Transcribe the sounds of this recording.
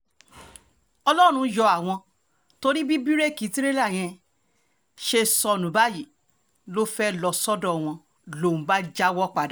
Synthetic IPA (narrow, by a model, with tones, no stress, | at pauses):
ɔ˧lɔ˦˨ɾ̃ũ˧jɔ˧a˨w̃ɔ̃˧ | to˧ɾi˦bi˦bi˦ɾe˦˨ki˨˦ti˦ɾe˦la˦˨j̃ɛ̃˧ | ʃe˧sɔ˧nũ˨˦ba˦ji˨ | lo˦fɛ˦lɔ˧sɔ˦dɔ̃˦˨w̃ɔ̃˧ | lo˦˨ũ˨˦ba˦d͡ʒa˦wɔ˦k͡pa˧da˨